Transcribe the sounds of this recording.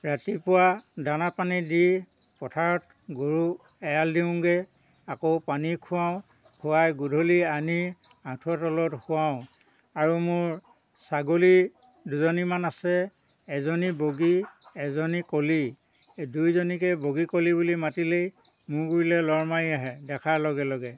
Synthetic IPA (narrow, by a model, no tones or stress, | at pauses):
ɹatipʊwadanapanidipɔtʰaɹɔt | ɡuɹuɛjaldiʊ̃ŋɡɛ | akowpanikʰʊwaʊ̃ | kʰʊwajɡudʱolianiãtʰɔtɔlɔthʊaʊ̃ | aɹumʊɹ | saɡoli | duzɔnimanasɛː | zɔniboɡiɛzɔnikoli | dujzɔnikɛboɡikolibulimatilej | mʊɡuɹilɛlɔɹmaiaɦɛdɛkʰalɔɡɛlɔɡɛ